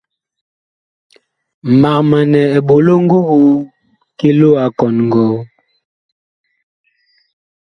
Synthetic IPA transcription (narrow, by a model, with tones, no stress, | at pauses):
ma˨kma˨nɛ˨ɛ˨bo˨lo˦ŋ˦ɡo˦ɣu˦ | ke˦lo˦a˨kɔ˨nŋɡɔ˨˦